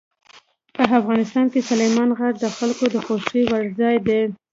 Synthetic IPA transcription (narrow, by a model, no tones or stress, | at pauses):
pəafɣɑnɪst̪ɑnkesalejmɑnɣaʈ̚d̪əxalkod̪əxoʃiwaɾzɑjd̪e